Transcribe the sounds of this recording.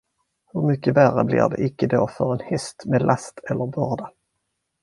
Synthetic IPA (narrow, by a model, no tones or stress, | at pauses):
hɵɾmʏkːəværːə̰blɪ̰ɾɖɛ̰ʔɪkːəd̪oːfœɾɛnhɛst̪meːd̪lʔast̪ʰɛlːəɾbœːɖa